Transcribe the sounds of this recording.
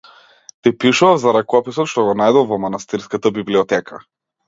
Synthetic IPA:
t̪ipiʃuafzaɾakɔpisɔt̪ʃt̪ɔɡɔnajd̪ɔvɔmanast̪iɾskat̪abibliɔt̪ɛkʰa

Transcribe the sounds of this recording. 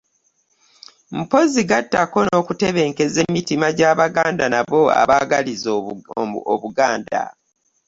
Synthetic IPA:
m̩po̞ziɡatːako̞no̞kuteβe̞ŋke̞ze̞mitimaɟaːβaɡaːndanaβo̞a̰βaɡalizo | oβuɡaːnda̰

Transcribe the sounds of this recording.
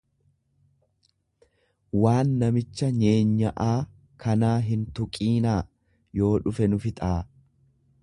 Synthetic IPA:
waːnːɐmɪt͡ʃːɐɲe̞ːɲːɐʔaː | kʰɐnaːɦɪnt̪ʊkʼiːnaː | jo̞ːᶑʊfɛnʊfɪt̪ʼaː

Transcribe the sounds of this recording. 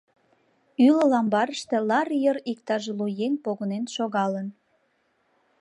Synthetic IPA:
yləlɑmbɑɾəʃt̪e̽lɑrjəɾik̚t̪ɑʒelujenpoɣənenʃoɣɑlən

